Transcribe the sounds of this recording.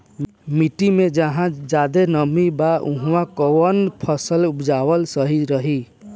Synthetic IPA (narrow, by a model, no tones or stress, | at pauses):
miʈimed͡ʒəɦãd͡ʒad̪enəmibaʔuɦãkɔwənpʰəsəlupd͡ʒawəlsəɦiɾəɦi